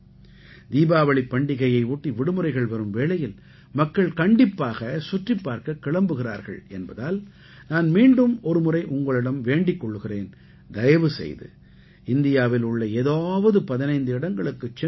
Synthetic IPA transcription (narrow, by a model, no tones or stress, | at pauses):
d̪iːbaːʋɐɭɪpːɐɳɖɪɣɐjɐɪuːʈːiʋɪɽɯmɯrɐɪɣɐɭʋɐɾɯmʋeːɭɐjɪl | mɐkːɐɭkɐɳɖɪpːaːɣɐsʊʈripːaːɾkɐkːɪɭɐmbɯɣɪra̰ːɾɣɐ̰ɭɛnbɐðaːl | naːnmiːɳɖɯmɔɾɯmɯrɐɪʔʊŋɡɐɭɪɽɐmʋeːɳɖɪkːɔɭːɯɣɪreːn | d̪ɐjɐʋɯsɛ̰jðɯ̰ | ɪnd̪ɪjaːʋɪlʊɭːɐeːðaːʋɐðɯpɐðɪnɐɪnd̪ɯɪɽɐŋɡɐɭɯkːɯt͡ʃːɛ